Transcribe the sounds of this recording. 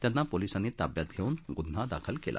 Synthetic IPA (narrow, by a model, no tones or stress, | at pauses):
t̪janːapolisanit̪abjat̪̚ɡʱeunɡud̪̤ʱːad̪a̰kʰəlkelʔa̰